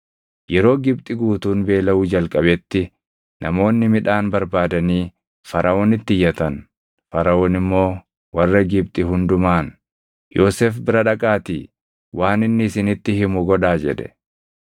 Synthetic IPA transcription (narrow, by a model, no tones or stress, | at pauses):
jɛɾo̞ːɡɪb̚t̪ʼɪɡuːt̪uːnbe̞ːlɐuːd͡ʒɐlkʼɐbɛt̪ːɪ | nʔɐmo̞ːnːɪmɪᶑaːnbɐɾbaːd̪ɐniː | fɐɾʔɐʔoːnɪt̪ːɪjːɐt̪ɐn | fɐɾɐoːnɪmːo̞ː | wɐrːɐɡɪb̚t̪ʼɪɦʊnd̪ʊmaːn | jʔo̞ːseːfbɪɾɐᶑɐkʼaːt̪ḭː | wʔaːnɪnːɪɪsɪnɪt̪ːɪhɪmʊɡɔᶑaːd͡ʒɛ̰ᶑɛ̥̰